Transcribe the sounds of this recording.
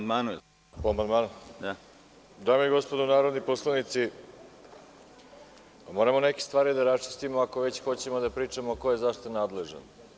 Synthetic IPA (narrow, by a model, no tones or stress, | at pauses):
d̪maːnu | poamand̪maːnod̪a | d̪aːmojeɡo̞spod̪unaːɾod̪niposlˠanit̪si | pamo̞ɾamo̞neke̥st̪ʋaːɾid̪aɾast͡ʃi̥st̪imoakoʋe̞t͡ɕxo̞t͡ɕemod̪apɾiːt͡ʂamokojezaʂt̪anaːd̪le̞ʒa̰n